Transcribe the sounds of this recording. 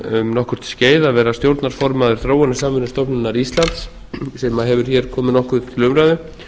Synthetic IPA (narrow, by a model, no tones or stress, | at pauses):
ʏmnɔhkʏɾ̥t̪sceːjðavɛːɾast̪jowɾt̪naɾ̥fɔɾmaːðʏɾ̥θɾoːwanɪsamvɪnɪst̪ɔpnʏnːaɾist̪lant̪s | sɛmaɦɛvʏɾ̥çɛɾ̥kʰɔːmɪnɔhkʏt̪ʰɪlʏmɾajðʏ